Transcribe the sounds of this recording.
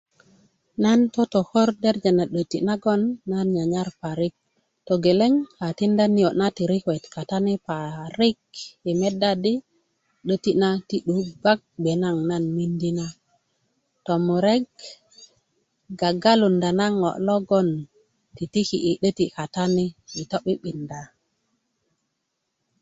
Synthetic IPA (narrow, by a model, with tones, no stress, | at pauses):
na˦nto˦to˨xo˦ɾde˦ɾd͡ʒe˨na˨ɗə˨ti˨na˦ɡo˦nːa˦nɲa˨ɲa˦ɾpa˨ɾi˦k̚ | to˨ɡe˨le˦ŋha˨ti˦nda˦ni˦jo˨na˦ti˨ɾi˦kwe˨tka˨ta˦ni˦pa˨ɾi˦k̚i˨me˦da˦di˦ | ɗə˦ti˦na˦ti˦ɗu˨ba˦k̚ɓe˨na˦ŋna˦nmi˦ndi˦na˦ | to˨mu˨ɾe˦ɡ̚ | ɡa˨ɡa˦lu˨nda˨na˦ŋo̰˨ʔlo˦ɡo˦n | ti˨ti˦ki˨ʔi˨ɗə˦ti˨ka˨ta˦ni˦i˨to˦ɓi˦ɓi˨nda˨